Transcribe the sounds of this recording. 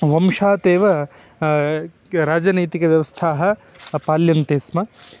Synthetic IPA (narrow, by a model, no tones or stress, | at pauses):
ʋɐmʂaːt̪eːʋɐ | ɾaːd͡ʒɐnɐjt̪ikɐʋjɐʋɐst̪ʰaːɦɐ̆ | paːljɐnt̪eːsmɐ